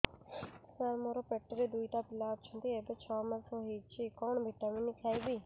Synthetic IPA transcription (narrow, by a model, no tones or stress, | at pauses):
saɾmoɾoːpeʈːɾeːd̪uiːt̪aːpɪlaːt̪̚t͡ʃʰʊnd̪iːeːbet͡ʃʰɔːməɾsõːɦiːt͡ʃiːkɔːɳbʱiʈaːmĩːnĩːkʰaːiːbiː